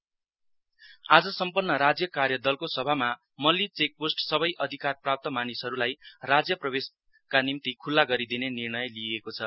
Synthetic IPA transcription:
ad͡zʌsʌmpʌnːʌɾad͡zjʌkarjʌd̪ʌlkosʌbʱama | mʌlːit͡sek̚posʈsʌbʌjʔʌd̪ʱikarprap̚t̪ʌmanisɦʌɾulajrad͡zjʌprʌbes | kanimt̪ikʰulːaɡʌɾid̪inenirnʌjliekot͡sʰʌ

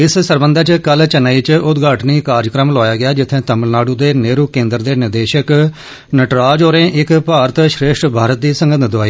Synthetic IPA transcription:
ɪssəɾbənd̪ət͡ʃkəlt͡ʃənaːiːt͡ʃʊt̪ɡaːʈniːkaːɾd͡ʒkɾəmlɔːjaːɡɪjaːd͡ʒɪt̪ʰːẽːt̪əməlnaːɖuːd̪eːneːɾuːkẽːnd̪əɾd̪eːnɪɾd̪eːʃək | nəʈɾaːd͡ʒoːɾẽːʔɪkpaːɾət̪ʃɾeːʃʈbʱaːɾət̪̚d̪iːsəŋɡət̪d̪aːiː

